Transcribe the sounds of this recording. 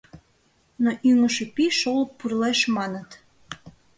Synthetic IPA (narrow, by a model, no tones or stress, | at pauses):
noʔyŋəʃepiʃoləkpːurleʃmɑnət̪